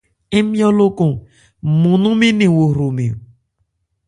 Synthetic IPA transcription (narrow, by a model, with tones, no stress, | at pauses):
e˦mjɔ˦lo˦ko˨ | mu˨nu˦mi˦ni˨wo˨ɾo˨mi˨